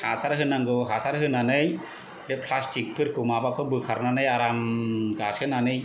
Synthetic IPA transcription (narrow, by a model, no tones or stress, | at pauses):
hasaɾɦɯnaŋɡɯɦasaɾɦɯnanɯj | dɛpʰlastʰik̚pʰɯɾkʰɯmabakʰɔbɯkʰaɾnanɯjaɾamɡashɯnanɯj